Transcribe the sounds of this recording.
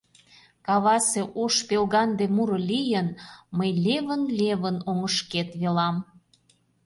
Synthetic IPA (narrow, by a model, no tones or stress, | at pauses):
kɑβɑse̽ʔoʃpelɣɑnd̪emuɾə̆lʲijənməjlʲeβənlʲeβənoŋəʃket̪βelɑm